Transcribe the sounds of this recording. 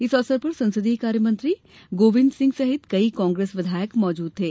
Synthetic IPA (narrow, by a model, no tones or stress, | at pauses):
isɔsəɾpəɾsə̃nsəd̪iːkaːɾjəmə̃nt̪ɾiː | ɡoːʋind̪sɪ̃ŋɡsɐɦit̪kɐikɔ̃ːŋɡɾeːsʋɪd̪ʱaːjəkmɔːd͡ʒuːd̪̚t̪eː